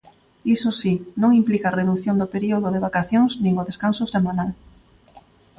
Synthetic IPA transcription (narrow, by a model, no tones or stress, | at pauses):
isosinõŋimplikareðuθjond̪opeɾioðoðeβ̞akaθjoŋznĩŋoðeskansosemãnal